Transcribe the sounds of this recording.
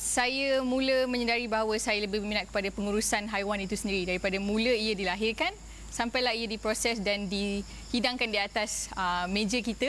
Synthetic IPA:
sajəmũləmə̃ɲədaɾibaɦawəsajaləbɪbəminat̪̚kə̥padapəŋuɾusanɦajwanit̪usəndiɾidaɾipadamũləiadilaɦɪrkan | sampajlaɦijadipɾosɛsdandi | hidaŋkandiat̪asəmẽd͡ʒəkit̪ə

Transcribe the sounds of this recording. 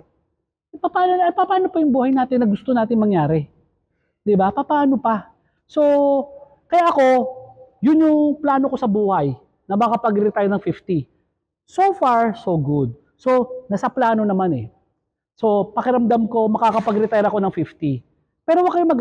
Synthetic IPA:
pɐpaːnoɐpɐpaːno̞pɐjʊŋbuːhɐjnaːt̪ɪnːɐɡʊst̪onaːt̪ɪŋmɐŋjaːɾɛ | d̪ɪbapɐpɐaːno̞pɐ | so̞ | kɐjaːʔɐko̞jʊnjʊŋplaːnoko̞sɐbuːhɐj | nɐmɐkɐpɐɡɾɪt̪aːjnɐŋfift̪i | sofaɹsoɡʊd̪̚ | so̞nɐsɐplaːno̞nɐmanɛ̰ | so̞pɐkɪɾɐmd̪amko̞mɐkakɐpɐɡɾɪt̪ajɾɐko̞nɐŋfift̪i | pɛːɾowɐɡkɐjʊŋmɐɡ

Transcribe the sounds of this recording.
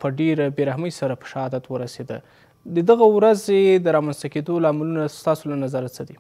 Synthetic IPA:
pəɖeɾbeɾahməjsaɾapə̥ʃahɑd̪at̪wəɾased̪ə | d̪əd̪aɣawɾazed̪əɾɑmanst̪aked̪olɑmalunast̪ɑsolanazaɾat͡səd̪i

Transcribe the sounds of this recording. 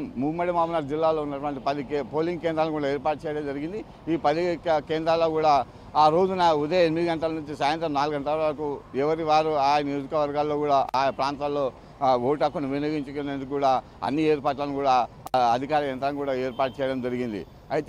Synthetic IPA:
mmumːɐɽimaːmunɐɾd͡ʒilːaːlo̞ːunːɐʈʋɐɳʈipɐd̪ipo̞ːliŋɡkeːnd̪ɾaːlnukuːɽaːeːɾpaːʈ̚t͡ʃɛːjɐɽɐmd͡ʒɐɾiɡind̪i | iːpɐd̪ikeːnd̪ɾaːlo̞ːkuːɽaː | aːɾo̞ːd͡ʒunɐud̪ɐjɐenimid̪iɡɐɳʈɐlɐnuɲt͡ʃisaːjɐnt̪ɾɐmnaːluɡɐɳʈɐlɐʋaɾɐkuɛʋɐɾiʋaːɾuaːjɐnijo̞ːd͡ʒikɐʋɐɾɡaːlːo̞ːkuːɽaːʔaːpɾaːnt̪alːo̞ː | oːʈɐkːunuʋineɡiɲt͡ʃukonend̪ukːuːɽaː | ɐ̰nːieːɾpaːʈ̬lɐnukuːɽaː | ɐd̪ʱikaːɾɐɐnt̪ɾɐnkuːɽaːe̞ːɾpaːʈ̚t͡ʃɛːjɐɽɐmd͡ʒɐɾiɡind̪ḭ | ɐjt̪e

